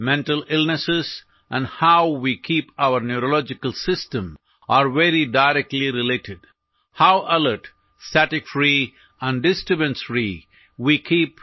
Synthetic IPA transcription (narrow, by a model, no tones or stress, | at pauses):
mɛ̃nʈəlɪlnəsɪz | ʔæ̃nɖhaʊʋikʰiːpaʊəɾnjuɾolɔd͡ʒɪkəlsɪsʈə̃m | ʔaɾʋeɾiɖaɪɾɛk̚ʈliɾɪleːʈɪɖ | haʊʔələɾʈ | stæʈɪkfɾi | ə̃nɖɖɪsʈɾɪbə̃nsɾi | wiːkʰiːp